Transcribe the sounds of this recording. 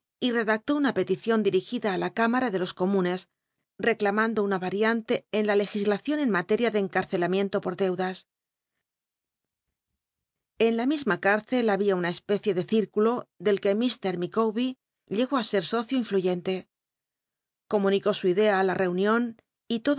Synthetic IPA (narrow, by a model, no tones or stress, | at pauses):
ire̞ðak̚t̪o̞unape̞t̪iθjo̞nd̪iɾixiðaːlakamaɾaðe̞lo̞sko̞mũne̞s | re̞klamãnd̪o̞unaβaɾjant̪e̞ːnlale̞xizlaθjo̞ne̞nmat̪e̞ɾjaðe̞ːŋkaɾθe̞lamjẽ̞nt̪o̞po̞ɾðe̞wðas | e̞nlamizmakaɾθe̞laβiaunae̞spe̞θje̞ðe̞θiɾkulo̞ðe̞lke̞mist̪e̞ɾmikowβi | ʎe̞ɣo̞ase̞ɾso̞θjoiɱfluʝe̞nt̪e̞ | ko̞mũniko̞suiðe̞aːlare̞unjo̞n | it̪o̞ð